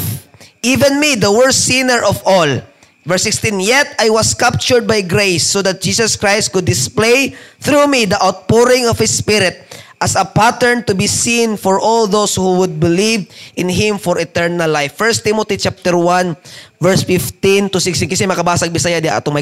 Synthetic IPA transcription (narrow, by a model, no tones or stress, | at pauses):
ʔivɛ̃nmid̪ɐwɛɹĩnɛɹʔɔvɔl | vɛɹsɪkst̪ĩnjɛt̪ajwɐskap̚t͡ʃʊɹd̪̚bajɡɾejsːod̪ɐt̪̚d͡ʒiːsɐskɹajst̪̚kʊd̪ːɪsplejθɾumid̪ɐʔawt̪̚poɹɪ̃ŋɔv̥hɪspɪɾɪt̪̚ʔɐsɐpat̪ɛɹnt̪ʊbisĩnfɔɹʔɔlðowshuwʊd̪̚bɪlivʔɪnɦɪ̃mfɔɹɛt̪ɛɹnɐlːajfːɛɹst̪imot̪it͡ʃap̚t̪ɛɹwãnvɛɹsfɪft̪ɪ̃nt̪ʊsɪkst̪inkɐsɛmɐkɐbaːsɐɡ̚bɪsajad̪ɪa̰ɐ̰t̪omɐ